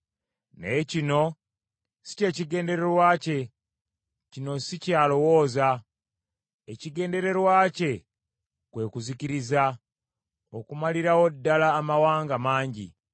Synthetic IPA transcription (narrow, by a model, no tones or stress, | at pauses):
necino̞ | si̥ce̞ːciɡe̞ːnde̞ɾe̞ɾwaːce̞ | cino̞sicaːlo̞wo̞ːza | eciɡe̞ːnde̞ɾe̞ɾwaːce̞ | kwe̞ːkuziciɾiza | okumaliɾawo̞dːalaːmawaːŋɡamaːɲɟḭ